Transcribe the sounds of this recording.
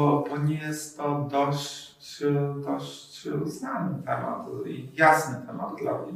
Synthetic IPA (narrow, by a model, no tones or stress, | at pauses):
ɔbɔɲɛjɛst̪ːɔd̪ɔɕ | t͡ɕd̪ɔɕt͡ɕusnanɘt̪ɛma̰t̪ijasnɘt̪ʰɛmad̪̚d̪la̰vɲɛ